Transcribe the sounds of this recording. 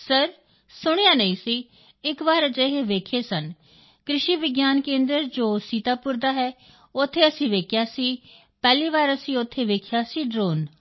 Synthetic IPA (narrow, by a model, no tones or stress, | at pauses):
səɾ | sʊɽ̃ejaːnəĩːsiː | ɪkʋaːɾət͡ʃeɦeːʋeːkʰeːsən | kɾɪʃiːʋɪɡjaːnkẽːnd̪ɾəɾd͡ʒoːsiːt̪aːpʊɾd̪aːɦɛː | ʊt̪ʰːeːəsĩːʋeːkʰjaːsiː | pɛːliːʋaːɾəsĩːʊt̪ʰːeːʋeːkʰjaːsiːɖɾoːn